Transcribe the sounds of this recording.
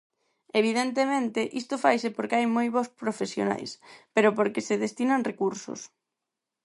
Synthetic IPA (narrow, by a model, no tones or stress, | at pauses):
eβ̞iðent̪emẽnt̪ɪʔist̪ʊfajsɪpoɾkeajmojβospɾofesjo̰na̰jspeɾʊpoɾkeseðest̪inaŋrekuɾsʊ̰s